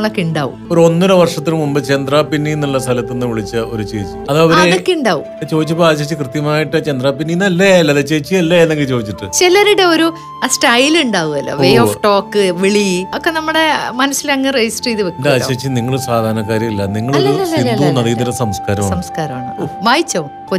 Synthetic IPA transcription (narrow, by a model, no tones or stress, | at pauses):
ɐɭokːiɳɖa̰ːʋṵoɾuo̞nːuɾɐʋɐrʂɐt̪ːilmumbɨt͡ɕend̪raːpinːijinːɐɭːɐst̪ʰɐlɐt̪ːenːɨʋiɭit͡ɕːɐo̞ɾut͡ɕeːit͡ɕːɨɐðʋɐɾeɐkːiɳɖaːʋṵ | t͡ɕo̞ːd̪it͡ɕːupːoːaːɕet͡ɕːɨkrɨt̪jɐmaːjiʈːɨt͡ɕend̪raːpinːijinːɐlːɐjaːjilːɐðet͡ɕeːt͡ɕːijɐlːɐenːe̞ŋɡilt͡ɕo̞ːd̪it͡ɕːiʈːɨt͡ɕelɐɾiɽeoɾu | sʈɐjluɳɖaːʋuðɐlːo̰ʋejoːfʈo̞ːkːɨʋeɭiɐkːenɐmːɐɽe̞mɐnɐsːilɐŋːɐred͡ʑisʈriːðʋekːndaɕet͡ɕːiniŋːɐɭsaːd̪ʱaːnɐkːaːɾjɐmilːɐniŋːɐɭoɾuiunːɐðiːiɾsɐmskaːɾɐmaːɐmskaːɾɐmaːɳɨoʋaːjit͡ɕːɐʋumko